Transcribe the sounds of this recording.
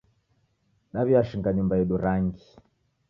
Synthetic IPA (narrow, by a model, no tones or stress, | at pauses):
ɗaβiaʃiŋɡaɲumbaɛɗuɾaŋɡi